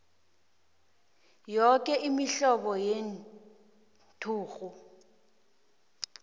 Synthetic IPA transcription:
jɔk̬ʼɛʔimiɬɔɓɔjen | tʰuːɣu

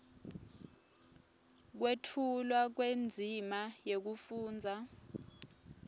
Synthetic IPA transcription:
k̬wetʰulwak̬wend͡zʱimajek̬ufuːnd͡zʱa

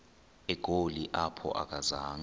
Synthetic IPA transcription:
ɛɡ̥ʱoliʔapʰɔ̰ʔa̰k̬ʼazaːŋ

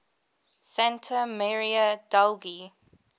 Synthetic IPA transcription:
sæ̃ntʰəmɛɹiədalɡi

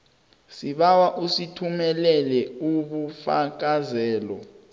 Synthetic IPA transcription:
siɓawaʔusitʰumɛlɛlɛuɓufak̬azɛːlɔ

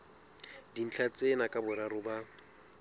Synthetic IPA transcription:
din̩t͡ɬʰat͡sʼenakʼabʊɾaɾʊba

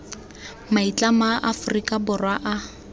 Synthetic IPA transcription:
mait͡ɬʼamaʔafʊrikʼabʊrwaʔa

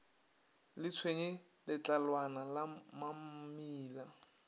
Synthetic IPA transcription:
lɪt͡sʰweɲɪ | lɪt͡ɬʼalwanalamamiːla

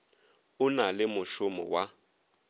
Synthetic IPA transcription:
ʊnalɪmʊʃʊmɔ̰wa

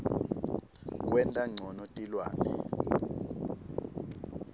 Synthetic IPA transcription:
k̬wɛntʼaŋ͡ǀʱɔnɔtʼilwa̰ːnɛ̰

